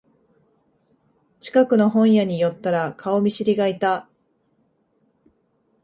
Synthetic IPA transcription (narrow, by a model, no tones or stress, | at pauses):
t͡ɕi̥kakɯ̟no̞ɦõ̞ɰ̃jaɲ̟ijo̞t̪ːaɾakʰao̞mʲiɕiɾʲiɡait̪a